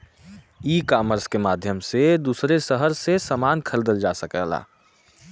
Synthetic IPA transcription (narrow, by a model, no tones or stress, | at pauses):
iːkaːməɾskemaːd̪ʱjəmsed̪uːsɾesəɦəɾsesəmaːnkʰəld̪əld͡ʒasəkɛ̰ɦla̰ː